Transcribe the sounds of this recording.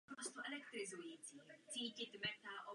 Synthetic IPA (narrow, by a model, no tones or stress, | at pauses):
ast̪oʔɛlɛkt̪ɾɪzujiːt͡siːt͡siːcɪt̪mɛt̪aʔo